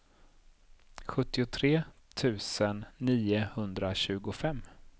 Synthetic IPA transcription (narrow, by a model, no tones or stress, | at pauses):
ɧɵt̪ːɪʊt̪ʰɾeːt̪ʰʉ̟ːsənːiːʊhɵnd̪ɾaɕʉ̟ːɡʊfɛmː